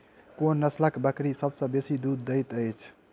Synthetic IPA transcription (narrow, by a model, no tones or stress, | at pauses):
konːʌslakbəkɾisʌbsʌ̃besid̪ud̪ːəjt̪əjt͡ʃʰ